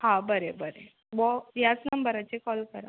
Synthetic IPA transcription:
ɦãbəɾebəɾe | ʋɔjat͡snəmbəɾat͡sekɔlkəɾa̰

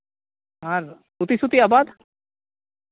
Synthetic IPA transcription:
ɦaɾ | sut̪isut̪iabad̪

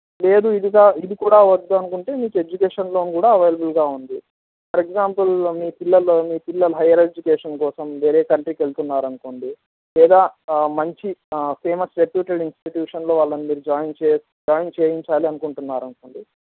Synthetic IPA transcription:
le̞ːd̪uid̪iɡaːid̪ikuːɽaːʋɐd̪ːuɐnukuɳʈe̞ːmiːkue̞d͡ʒukeːʂɐnlo̞ːnukuːɽaːɐʋɐjlɐbulɡaːund̪i | pɐɾeɡzaːmpɐlmiːpilːɐlmiːpilːɐlɐɦɐjɐɾed͡ʒukeːʂɐnkɔːsɐmʋe̞ːɾeːkɐɳʈɾiːkʋelt̪unːaːɾɐnukoːɳɖi | lɛːd̪aːmɐɲt͡ʃipʰeːmɐsʈɾepjuːʈɐɽinsʈiʈjuːʂɐnlo̞ːʋaːɭːɐnimiːɾud͡ʒaːjnt͡ʃes | d͡ʒaːjnt͡ʃeːjiɲt͡ʃaːliɐnukuɳʈunːaːɾɐnukoːɳɖi

